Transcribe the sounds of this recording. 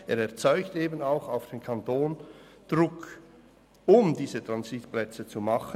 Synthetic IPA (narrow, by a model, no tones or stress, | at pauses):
eːɾɛɐt͡sɔʏkteːbənaʊxaʊfd̥eːnkʰɑntoːnd̥ʁʊk | ʊmdiːzətʁ̥anzitplɛt͡sət͡sumɑχə